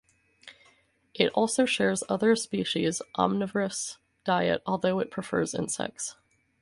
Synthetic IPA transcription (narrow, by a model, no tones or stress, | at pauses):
ʔɨɾɔlˠsoʊʃɛɹzʌðə˞spiʃizʔɑ̰mnɨvə˞ɨs | d̥aɪɨ̰ɾɔlˠðoʊɨt̚pʰɹ̥ɨfɜ̰˞zɪ̰̃nsɛ̰k̚ts